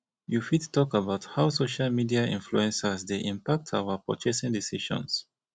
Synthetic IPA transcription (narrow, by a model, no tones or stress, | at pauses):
jufittːɔkəbaʊthaʊsoʃalmidiaḭ̃nfluɛ̃nsəsdeʔĩmpak̚tʰa̰əpɹɔ̰t͡ʃɛsɪ̃ŋdisiʃɔ̰̃ns